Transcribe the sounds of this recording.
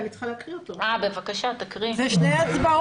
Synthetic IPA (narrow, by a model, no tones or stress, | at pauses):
mit͡sχilakʁiot̪oabevakaʃat̪akʁizɛʃnejasba